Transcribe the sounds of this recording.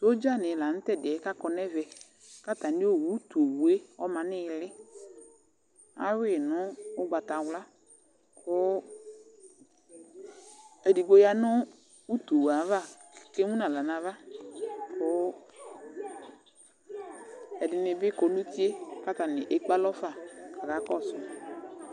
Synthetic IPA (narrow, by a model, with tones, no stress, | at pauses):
to˦d͡ʒa˦˨nɪ˨la˨n̩˦tɛ˦˨dɪ˨ɛ˨˦ka˦kɔ˨nɛ˦vɛ˨ | ka˦ta˨nɪ˦o˦˨wu˨˦to˨wu˨e˦ɔ˦mã˨nɪ˦lɪ˦ | a̰˦wɪ˦˨nʊ˦ʊ˦ɡ͡ba˨ta˨wla˦ | kʰʊ˦ | e˨di˨ɡ͡bo˦ja˨nʊ˦ | u˦to˨wa˨˦va˦˨ | ke˦mũ˦nã˨la˨nã˨va˦ | kʰʊ˦ | ɛ˨dɪ˨nɪ˧bɪ˦kɔ˨˦lu˦ti˦e˦ka˦ta˨nɪ̰˨ʔe˨˦k͡pa˦lɔ˦fa˦˨ka˨ka˨˦kɔ˦˨sɔ˨